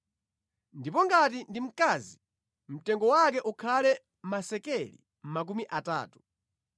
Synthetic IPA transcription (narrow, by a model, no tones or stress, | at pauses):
ndipɔŋɡatindim̩kaːzi | m̩tɛŋɡɔwak̬ɛʔukʰalɛ | masɛkɛlḭ | m̩mak̬umiʔata̰ːtu̥